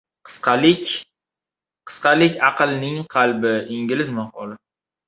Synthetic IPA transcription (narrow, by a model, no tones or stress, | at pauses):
qʰɨ̥sqɑlɪ | qʰɨ̥sqɑlɪkʲɑqɨlˠnɪŋqʰɑlbɪɪŋɡʲɪlɪzmahɒlɪ